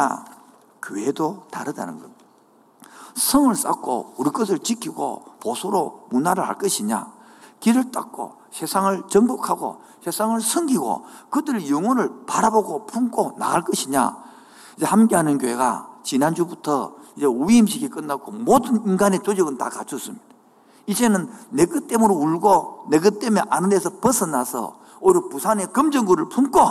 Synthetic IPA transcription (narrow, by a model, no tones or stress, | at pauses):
a̰ | kjoedota̰ɾɯda̰nɯnɡʌ̰n | sʰʌŋɯɭs͈a̰k͈o̰uɾik͈ɯs̬ʰɯɭt͡ɕikʰiɡo̰posʰoɾomunaɾɯɭha̰ɭk͈ʌɕʰiɲa̰ | kiɾɯɭt͈ʼa̰k͈o̰ | sʰe̞sʰaŋɯɭt͡ɕʌŋbokʰaɡo̰ | sʰe̞sʰaŋɯɭsʰɯŋɡiɡo̰kɯdɯɾejɯŋwʌnɯɭpaɾaboɡopʰumkʰona̰ɡaɭk͈ʌɕʰiɲa̰ | id͡ʑe̞hamk͈eɦanɯnkjoɦeɡa̰t͡ɕinand͡ʑubutʰʌid͡ʑe̞uiimɕʰiɡik͈ɯnːak͈ʰomodɯninɡanet͡ɕod͡ʑiɡɯnta̰kat͡ɕʰɯs͈ɯmɲid̥a | id͡ʑenɯnːekɯt͈e̞muɾouɭɡoneɡɯt͈emeʔanɯndesʰʌpʌsʰɯnasʰʌ̰ | oɾopusʰane̞kɯmd͡ʑʌŋɡuɾɯɭpʰumkʰo